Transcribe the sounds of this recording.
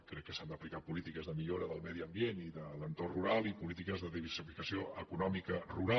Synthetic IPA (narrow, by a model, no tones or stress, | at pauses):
kɾɛkːəsand̪əplikapulit̪ikəzðəmiʎoɾəðəlˠmɛðiəmbieniðələnt̪orruɾalˠipulit̪ikəzðəðiβərsifikəsioʔəkunɔmikəruɾa